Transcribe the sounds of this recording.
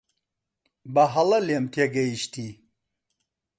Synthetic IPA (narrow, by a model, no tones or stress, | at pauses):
bɐɦɐlɐlemt̪ʰeɡɐiʃt̪ʰi